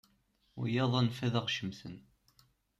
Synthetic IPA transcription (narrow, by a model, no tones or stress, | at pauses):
ʊ̰jɑðˤɑnfæðæʁʃəmθə̰n